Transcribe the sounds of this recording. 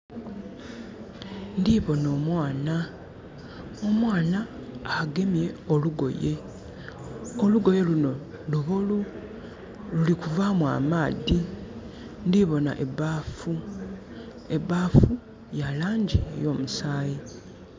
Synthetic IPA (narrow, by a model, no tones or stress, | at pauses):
ndiβo̞no̞ːmwaːna | o̞mwaːnaː | ɡe̞mje̞oluɡo̞̰je | oluɡo̞je̞luno̞ | luβolu | lulikuvamwa̰maːði | ndiβo̞na̰ʔebafu | e̞baːfu | jalaːɲɟiḛjo̞ːmusaːji